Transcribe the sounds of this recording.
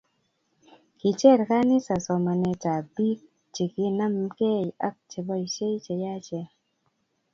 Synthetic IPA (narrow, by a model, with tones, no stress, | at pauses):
ki˨t͡ʃɛ˦˨ɾka˦ni˦sa˨sɔ˨ma˨nɛ˨ta˨bi˦k̚ | t͡ʃi˨ki˦na˦mke˦˨ja˦k̚t͡ʃe˨bɔ˦i˨t͡ʃe˦jt͡ʃɛ˨ja˦t͡ʃɛ˨